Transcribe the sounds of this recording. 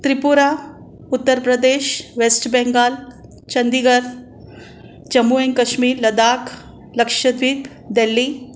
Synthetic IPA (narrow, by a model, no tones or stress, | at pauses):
t̪ɾipuɾa | ʊt̪ːəɾpɾɐd̪eːʃʋesʈbɛ̃ŋɡaːl | t͡ʃɐnd̪iɡəɾ | t͡ʃɐmuẽŋkɐʃmiːɾlɐd̪aːk | lɐkʃəd̪ʋiːp | d̪elːi